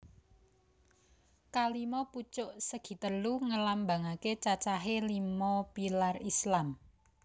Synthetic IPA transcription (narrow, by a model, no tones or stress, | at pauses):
kalimɔput͡ʃʊʔsəɡ̥i̤t̪əluŋəlamba̤ŋaket͡ʃat͡ʃaɦelimɔpilarislam